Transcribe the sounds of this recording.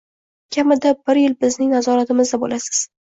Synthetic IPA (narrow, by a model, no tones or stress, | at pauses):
kʲʰamɪd̪abɪɾjɪlbɪznɪŋnazɒɾat̪ɪmɪzd̪abolasɪ̥z̥